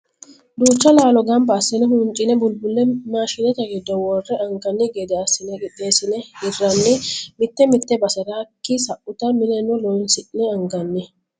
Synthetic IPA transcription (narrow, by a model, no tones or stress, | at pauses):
d̪uːt͡ʃːɐlaːlɔɡɐmbɐːsːɪnɛɦʊnt͡ʃʼːɪnɛbʊlbʊlːɛmaːʃɪnɛt̪ɐɡɪd̪ːɔwɔrːɛʔɐŋɡɐnːɪɡed̪ɛɐsːɪnɛkʼɪt̪ʼːeːsɪnɛhɪrːɐnːɪmɪt̪ːɛmɪt̪ːɛbɐsɛɾaːkːɪsɐʔʊt̪ɐmɪnɛnːɔlɔjnsɪʔnɛɐŋɡɐnːɪ